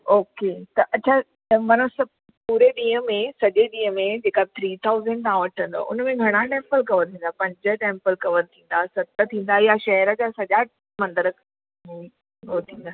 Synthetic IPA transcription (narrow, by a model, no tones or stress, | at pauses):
oːket̪ɐʔɐt͡ɕʰa | mɐnəsɐ | puːɾeɗĩːəmẽsɐʄeɗĩːɦəmẽd͡ʑeːkat̪ʰɾiːt̪ʰaːʊzəɳɖ̚t̪aãʋɐʈʰə̃nd̪o̰ʔʊ̰nə̆mẽɡʱɐɽ̃aʈɛ̃ːmpəlkɐʋəɾt̪ʰĩːnd̪apɐ̃ɲd͡ʑə̆ʈẽːmpəlkɐʋəɾt̪ʰĩːn̆d̪asɐt̪ət̪ʰĩːn̆d̪ajaʃɐɦəɾə̆d͡ʑasɐʄa | mɐ̃nd̪əɾə | mẽ | ɦot̪ʰĩːnd̪a